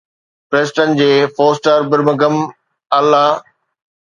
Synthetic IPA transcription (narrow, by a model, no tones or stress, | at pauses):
pɾeːsʈənd͡ʑeːfoːsʈəɾbɪɾməɡəm | ɐlːaː